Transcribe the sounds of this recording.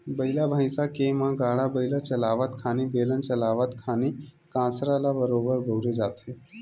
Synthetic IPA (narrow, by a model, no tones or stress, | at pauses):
bəilabʱajsakemãɡaːɽabəilat͡ʃɐlaːʋat̪kʰaːnibelənt͡ʃəlaːʋat̪kʰaːni | kãːsɾalabəɾobəɾbʱəwɾed͡ʒaːt̪e